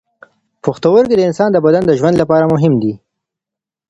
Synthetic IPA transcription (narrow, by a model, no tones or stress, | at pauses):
poxt̪awəɾked̪əɪnsɑnd̪əbad̪and̪əʒwand̪lapɑɾamʊɦɪmd̪i